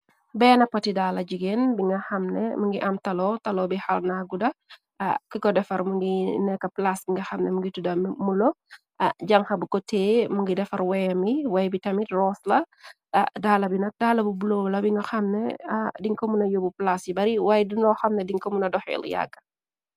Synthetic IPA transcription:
bɛːnɐpːɐtidaːlɐɟiɡeːnbiŋɡɐxɐmnɛ̰mɐŋɡiʔɐmtɐlɔtɐlɔbixɐlnaɡudɐ̰ | kikɔdɛfɐɾmuŋɡinɛkːɐplasbiŋɡɐxɐmnɛmuŋɡitudɐmmulɔ | ɟɐŋxɐbukɔteːmuŋɡidɛfɐɾwɛjɐmiwajɛbitɐmitrɔslɐ | daːlɐbinɐk̚daːlɐbubulowlɐbiŋɡɐxɐmnɛ̰diŋkɔmunɐjobuplasjibɐɾiwajdiŋlɔːxɐmnɛdiŋkɔmunɐdɔxɛ̰l̰ja̰kːɐ̥

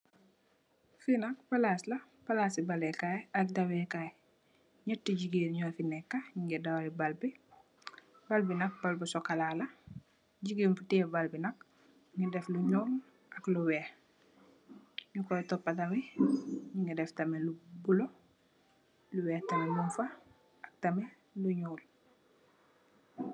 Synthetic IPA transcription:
finak̚palaːsla | palasibalɛkajak̚dawɛkaj | ɲətːiɟiɡiːnɲɔfinɛkːaɲiŋɡɛdawalibalbi | balbinak̚balbusɔkalala | ɟiɡiːnfutɛːbalbinak̚ | ŋidɛfluɲol | akluwɛːh | ɲukɔjtɔpːatameɲuŋɡidɛftamelubulo | luwɛːhtamenuɱfa | ak̚tame | luɲoːl

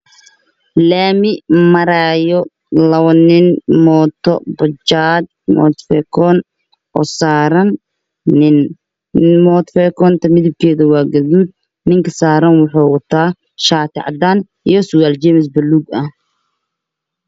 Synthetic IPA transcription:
laːmɪmɐɾaːjɔ | lɐβɐnɪnmɔt̪ʰɔ̰bɐt͡ʃaːd̪̚mɔ̰ːt̪fɛkʰɔːn | ʔɔːsaːɾɐn | nɪn | mɔːt̪fɛːkʰɔnt̪ʰɐmɪðɪb̚kʰɛːðɐwaːɡɐðuːd̪̚ | nɪŋkʰɐsaːɾɐnwʊħɑːwɑt̪ʰaː | ʃaːt̪ʰɪ̰ʕɑ̰d̪aːn | ijɔsʊɣaːlt͡ʃɛmɪs̬bɐluːɡɐh

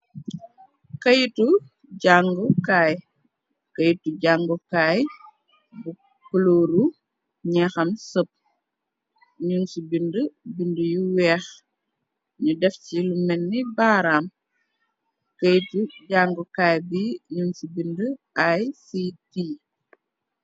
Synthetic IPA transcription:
kɐjtu | ɟaŋɡɔkaːj | kɐjtuɟaŋɡukaːj | bu | kuloːɾu | ɲɛxɐmsəp̚ | ɲunsubindəbindəjuwɛːx | ɲudɛfcilumɛnːibaːɾaːm | kɐjtuɟaŋɡukaːjbiɲunsubindəʔajsiti

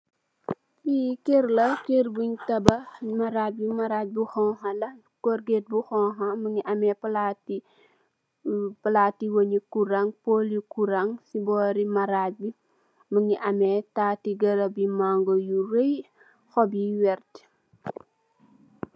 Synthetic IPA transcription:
ikeɾlɐkerbuɲtɐbɐmɐɾabimɐɾat̚buxɔɦɐlɐ | kɔrɡet̚buxɔɦɐməŋiʔɐmɛplat | pɐlaːtːiwoɲikuɾɐŋpolikuɾɐŋsibɔːɾimɐɾabi | məŋiʔɐmɛtaːtiɡɐɾɐbimaŋɡɔjuɾej | xɔbiwɛrt

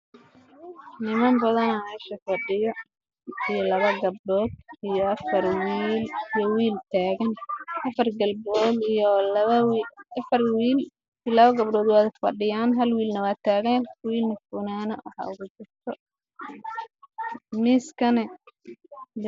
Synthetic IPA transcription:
nɪmɐmbɐðɐnamɛːʃɐfɐɖɪjɔ | ijɔlɐβɐɡɐb̚ɖɔːd̪̚ijɔʔɐfɐrwiiːlijɔwiːlt̪ʰaːɣɐnʔɐfɐrɡɐlbɔːlijɔwɐfɐrwiːl | lɐβɐɡɐbɖɔːd̪waːðɪfɐ̰ɖɪjaːnɦɐlwiːlnɐwaːt̪ʰaːɣɐwiːlnɐfʊːnaːnɐwɐ̰ħa̰ːʊɣʊt͡ʃɪrt̪ʰɔ | mɪskʰɐnɛ

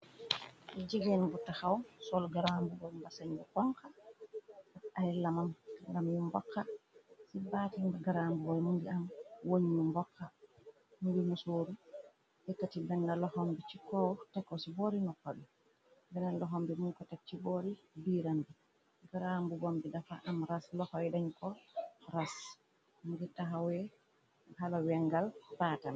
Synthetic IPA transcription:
ɛd͡ʒiɡɛnbutːahawsɔlɡaɾambubɔmbasaɲɡɔkɔŋka | aahɛlːamamaŋɡamjumbɔ̰kːasibaːtiɡaɾambubɔjmunɡiamwoɲinumbɔkʰːa | muɡimusoɾu | ʔɛtːatibɛnːalɔhɔmbit͡ʃikɔtakːɔsiboɾinɔkːɔɗɛ | bɛnalɔɦɔmbimunkɔtat͡ʃːiboːɾibiːɾambi | ɡaɾambubombidafaʔamɾaslɔhɔwɛdaɲkɔɾas | muɡitaɦawɛ | halawɛŋɡalbaːtam

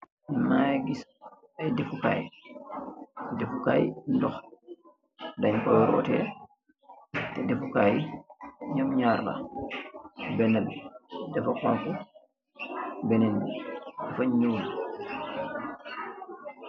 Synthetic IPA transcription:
nmajɡis | ɐjdɛfuka̰j | dɛfukaːjndɔx | daɲkɔjɾɔ̰ːtɛ̰ | tɛdɛfukaj | ɲɔmɲaːrla̰ | bɛnɛldɛfɔkɔnfu | bɛnɛndɛfaɲɲuːl

